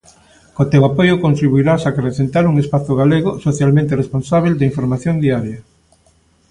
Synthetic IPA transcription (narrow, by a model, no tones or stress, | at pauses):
kot̪ewapojʊkõnt̪ɾiβuiɾasakɾesent̪aɾuŋespaθʊɣaleɣosoθjalmẽnt̪eresponsaβ̞eld̪eiɱfoɾmaθjond̪iaɾjɐ